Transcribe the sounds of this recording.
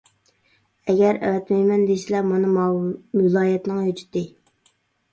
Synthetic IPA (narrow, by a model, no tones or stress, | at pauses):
ɛɡʲɛɾɛ̰wɛt̪mɛjmɛnd̪esɪlɛmɑnɨ | ɪlˠɑːjɛt̪nɨŋjod͡ʒu̥t̪ːɪ